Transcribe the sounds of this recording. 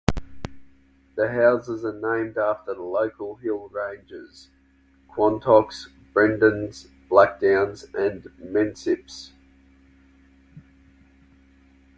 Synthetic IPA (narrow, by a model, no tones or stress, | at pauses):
ðəɦaʊzəzənẽɪ̃mdɑˑftələʊkʰəlˠɦɪlˠɹẽɪ̃nd͡ʒɪz̥ | kʰw̥ɒ̃ntʰɔks | b̥ɹɛ̃ndə̃nz̥ | b̥læk̚d̥ãʊ̃nzʔə̃nmɛ̃nsɪps